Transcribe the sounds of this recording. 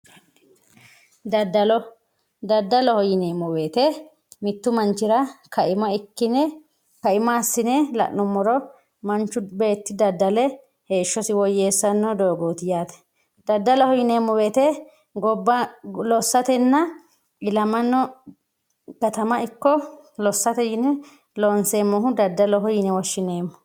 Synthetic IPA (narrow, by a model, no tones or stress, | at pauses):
d̪ɐd̪ːɐlɔ | d̪ɐd̪ːɐlɔhɔjɪneːmɔwe̞ːt̪ɛ | mɪt̪ːʊmɐnt͡ʃɪɾɐkɐɪmɐɪkːɪnɛ | kɐɪmaːsːɪnɛlɐ̰ʔnːʊmːɔɾɔ | mɐnt͡ʃːʊbe̞ːt̪ːɪd̪ɐd̪ːɐlɛ | heːʃːɔsɪwɔjːe̞ːsːɐnːɔd̪o̞ːɡoːt̪ɪjaːt̪ɛ̥ | d̪̥ɐd̪ːɐlɔhɔjɪne̞ːmːɔbeːt̪ɛ | ɡɔbːɐlɔsːɐt̪ɛnːɐ | ɪlɐmɐnːɔ | ɡ̥ɐt̪ɐmɐɪkːɔlɔsːɐt̪ɛjɪnɛ | lo̞ːnseːmːɔɦʊd̪ɐd̪ːɐlɔɦɔjɪnɛwɔʃːɪne̞ːmːʊ